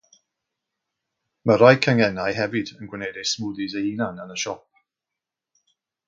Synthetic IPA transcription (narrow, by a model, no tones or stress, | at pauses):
məɾajkʰəŋɛnajɦɛvɨdənɡwɪnejdejsmʊdizeinanənəʃɔp̚